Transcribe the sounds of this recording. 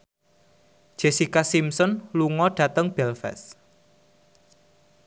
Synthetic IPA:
d̥ʒ̥esikasimsɔnluŋɔɖ̥ä̤t̪əŋb̥ɛlfɛ̰s

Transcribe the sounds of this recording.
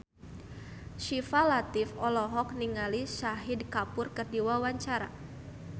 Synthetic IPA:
ʃifalat̪ɪfɔlɔɦɔk̚niŋalisaɦidkapʊrkərdiwawaɲt͡ʃaɾa̰

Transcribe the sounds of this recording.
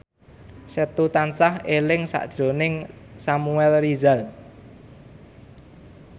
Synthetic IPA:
set̪ut̪ansahelɪŋsa̰ʔd̥ʒ̥ɾo̤nɪŋsamuɛlrizal

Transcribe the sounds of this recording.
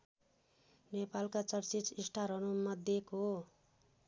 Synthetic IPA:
nepalkat͡sʌrt͡sit͡sisʈʰaɾʌnumʌd̪ʱjeko

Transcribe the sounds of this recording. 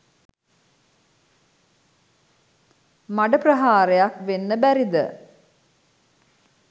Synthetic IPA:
maɖəprɐɦaːɾejakʋenːəbæɾid̪ə̰

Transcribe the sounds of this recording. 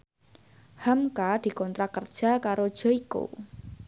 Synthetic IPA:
həmkad̪̥i̤kɔnt̪ɾakərd̥ʒ̥a̤kaɾod̥ʒ̥ɔ̤iko̰

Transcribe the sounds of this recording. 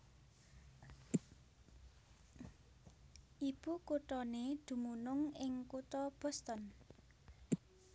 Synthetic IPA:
ʔib̥ukuʈ̪ɔned̪̥ṳmunʊŋɪŋkut̪ɔb̥ɔ̤st̪ɔn

